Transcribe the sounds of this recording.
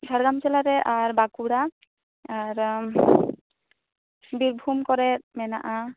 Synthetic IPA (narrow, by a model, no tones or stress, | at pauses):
ɡʱaɹɡamsɛlaɾɛʔaɹbakuɽa | aɹ | biɹbʱumkɔɹɛtmɛna̰ʔa